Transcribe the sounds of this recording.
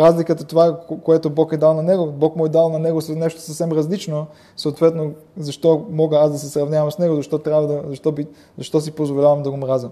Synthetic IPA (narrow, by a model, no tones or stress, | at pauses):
ɾazlikət̪ɐt̪ovakoɛt̪obɔkɛd̪alˠnɐnɛɡobɔkmɔɛd̪alˠnɐnɛɡosnɛʃt̪o̥sɐfsɛmɾɐzlit͡ʃno | soːt̪vɛt̪no | zɐʃt̪ɔmɔɡəasd̪ɐsɛsɾɐvnʲavɐmsnɛɡozɐʃt̪ɔt̪ɾʲjabvəd̪ɐzɐʃt̪ɔbi | zɐʃt̪ɔs̬ipozvolʲavɐmd̪ɐɡomɾazəm